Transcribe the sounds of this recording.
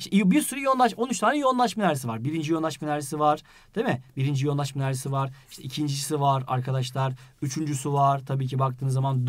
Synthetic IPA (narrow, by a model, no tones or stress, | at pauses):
iʃʰɛbiɾsyɾajo̞nlˠaʃo̞nyt͡ʃt̪ʰaːnʲɛjo̞nlˠaʃmanʲaɾes̬ivaɾbiɾind͡ʒijo̞nlˠaʃmalʲæɾisivaɾ̥ | d̪̥emɪbiɾind͡ʒijo̞nˠaʃmanlʲæɾisivaɾiʃt̪ʰɛʔicʰind͡ʒid͡ʒisivaɾa̰ɾkʰad̪aʃlˠaɾyt͡ʃʰynd͡ʒysyvaɾ̥t̪ʰabiːcʰibakt̪ʰɯːnzamand̪